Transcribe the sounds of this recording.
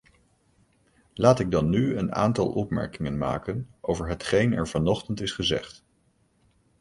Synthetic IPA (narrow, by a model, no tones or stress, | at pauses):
laːtɪɡ̚dɑnːyəna̰ːntɑ̰lˠʔɔpmɛ̰ɹkɪŋənma̰ːkənʔowvəɹɦətχejnɛ̰ɹv̥ɑnɔχtəntɪsχəzɛ̰χt